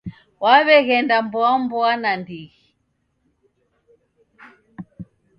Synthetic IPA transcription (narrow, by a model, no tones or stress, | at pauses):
waβɛɣɛndambɔambɔanandiɣi